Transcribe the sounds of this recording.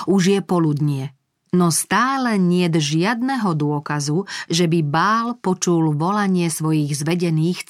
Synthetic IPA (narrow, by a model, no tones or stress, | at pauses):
uʒjɛpɔlud̪ɲɪɛ | nɔst̪aːlɛɲɪɛd̪ʒɪad̪nɛɦɔd̪ʊɔkazuʒɛbibaːlpɔt͡ʃulʋɔlaɲɪɛsʋɔjiɣzʋɛɟɛniːx